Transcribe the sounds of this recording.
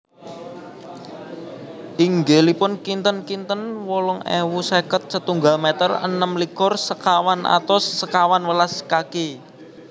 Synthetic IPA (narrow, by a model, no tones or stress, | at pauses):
ʔiŋɡelipʊnkint̪ənkint̪ənwɔlɔŋḛwusekət̪̚sət̪uŋɡalmet̪ərə̰nəmlikʊrsəkawanʔa̰t̪ɔsːəkawanwəlaskake